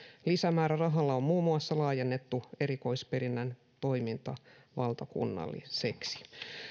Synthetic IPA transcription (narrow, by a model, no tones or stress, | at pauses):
lisæmæːɾærɑɦɑlːɑommuːmːuɑsːɑlɑːjenːe̞t̪ːue̞ɾiko̞ispe̞ɾinːæn | t̪o̞jmint̪ɑ | ʋɑlt̪ɑkṵnːɑ̰lːḭseksi̥